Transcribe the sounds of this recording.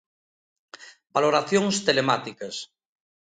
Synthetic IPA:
baloɾaθjoŋst̪elemat̪ikɐs

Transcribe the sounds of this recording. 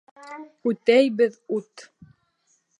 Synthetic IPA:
ʉt̪æjbɘðut̪

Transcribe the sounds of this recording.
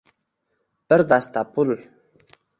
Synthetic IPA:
pəɾd̪ast̪apul

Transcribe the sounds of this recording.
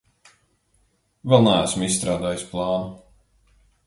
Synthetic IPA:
vɛlˠnææsmisst̪ɾaːd̪aːjisplˠɑːnu

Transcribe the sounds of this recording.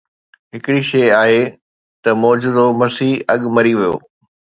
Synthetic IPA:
ɦɪkɪɽiʃɐːaːɦe | t̪ɐmɔːd͡ʑʊd̪omɐsiːɦɐɠmɐɾiʋijo̰ː

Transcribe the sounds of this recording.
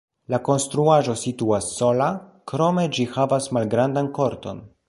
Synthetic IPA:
lako̞nst̪ɾuaʒo̞situasːo̞lakɾo̞me̞d͡ʒihavasmalɡɾandanko̞ɾto̞̰n

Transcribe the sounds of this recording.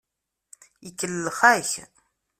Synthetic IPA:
əkːəlːəχæç

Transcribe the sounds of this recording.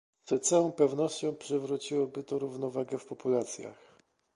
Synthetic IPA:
zɛt̪sawɔ̃w̃pɛvnɔɕt͡ɕɔ̃w̃pʂɘvɾut͡ɕiwɔbɘt̪ɔɾuvn̪ɔvaɡɛfpɔpulat̪sʲja̰x

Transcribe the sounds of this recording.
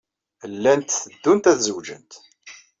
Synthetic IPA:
lːænt̪θəd̪ːunt̪æθzəwd͡ʒə̰nt̪

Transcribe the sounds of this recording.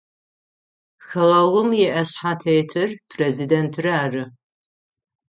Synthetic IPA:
xɐlɐʁʊmjɛʔɐɕħatʰejtʰɨrpʰrezidentʰrɨaːrɨ

